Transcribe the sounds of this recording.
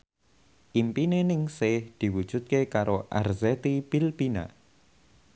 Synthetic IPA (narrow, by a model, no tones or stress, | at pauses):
ʔimpinenɪŋsehd̪̥i̤wud̥ʒ̥ṳt̪̚kekaɾoʔa̰rzɛt̪ipilpina̰